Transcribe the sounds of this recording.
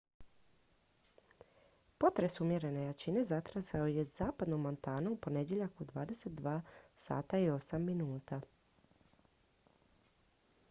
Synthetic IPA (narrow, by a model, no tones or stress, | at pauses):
po̞t̪ɾe̞sumje̞ɾe̞ne̞jat͡ɕine̞zat̪ɾazaoje̞zaːpad̪nomːo̞nt̪aːnuupo̞ne̞d̪je̞ʎakud̪ʋa̰ːd̪e̞se̞t̪̚d̪ʋaːsa̰ːt̪aio̞samːinuːt̪a